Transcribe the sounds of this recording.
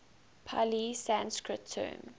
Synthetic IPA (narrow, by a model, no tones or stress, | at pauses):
pʰa̰lisæ̃nskɹɪtʰːɜ̰̃ːm